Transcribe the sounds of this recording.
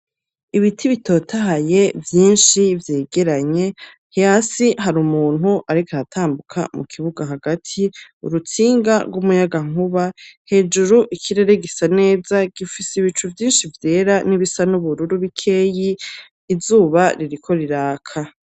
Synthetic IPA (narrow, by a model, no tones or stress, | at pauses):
iβitʰiβitʰo̞tʰaɦaje̞vjiːnʃivje̞ːɡe̞ɾaɲe̞ | hiasiɦaɾumuːn̥huʔaɾikaatʰaːmbukʰa̰mukʰiβuɡaɦaɡatʰiṵɾut͡siːŋɡaɾɡumujaɡaŋ̥uβahe̞d͡ʒuɾuʔikʰiɾe̞ɾe̞ɡisane̞ːzaɡ̥ifisiβit͡ʃuvjiːnʃivje̞ːɾaniβisanuβuɾuɾuβikʰe̞ːjiː | zuːβaɾiɾikʰo̞ɾiɾaːkʰa